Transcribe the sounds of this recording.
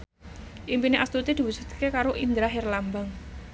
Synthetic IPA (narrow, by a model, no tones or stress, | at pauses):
ʔimpineʔast̪ut̪id̪̥i̤wusu̥t̪̚kekaɾoʔind̪ɾaɦerlambaŋ